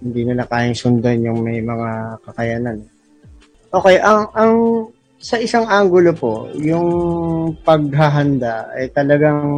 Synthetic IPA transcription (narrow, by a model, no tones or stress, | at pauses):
hɪnd̪iːnɪlakaːjɪŋsʊnd̪anjʊŋmɐjmɐŋakɐkɐjaːnanɛ | ʔo̞ːkɛjʔɐŋʔɐŋ | sɐʔɪsaŋʔaŋɡʊlo̞po̞̰jʊŋ | pɐɡ̚ɦaɦɐnd̪aɐ̰jt̪ɐlɐɡaŋ